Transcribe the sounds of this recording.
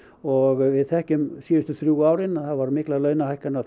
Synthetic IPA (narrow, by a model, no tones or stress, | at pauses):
ɔɣvɪðθɛhcʏmsiːðʏst̪ʏθɾjuːaːwɾɪnθavaɾmɪhklalœɥnahajhkana